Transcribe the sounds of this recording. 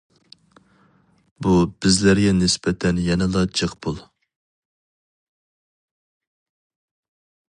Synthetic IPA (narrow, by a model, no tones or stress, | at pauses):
bub̥ɪzlæɾɡʲɛnɪsbɛt̪ʰɛnjɛnɛlˠɑd͡ʒʰəqbulˠ